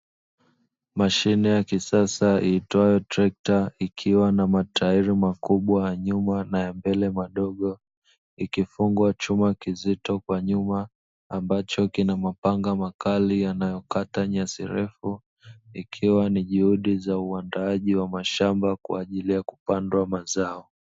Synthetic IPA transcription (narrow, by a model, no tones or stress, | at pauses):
maʃinɛjakisasaiːtwajɔtɾɛk̚taikʰiwanamatʰaiɾimakuɓwajaɲumanajambɛlɛmaɗɔɠɔ | ikifuŋɡwat͡ʃumakizitɔkwaɲumaː | mbat͡ʃɔkinamapaŋɡamakalijanajɔkataɲasḭɾɛfu | ikʰiwaniʄuhuɗizauandaaʄiwamaʃambakwa̰ʄilijaku̥pandwamazaɔ